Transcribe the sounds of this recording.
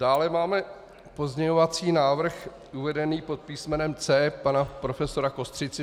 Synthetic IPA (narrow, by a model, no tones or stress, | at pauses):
d̥aːlɛmaːmɛ | po̞zɲɛɲovat͡siːnaːvr̩x | ʔuvɛdɛniːpo̞t̪̚piːsmɛnɛmt͡sɛːpanapɾo̞fɛso̞ɾako̞st̪r̝̥ɪt͡sɪ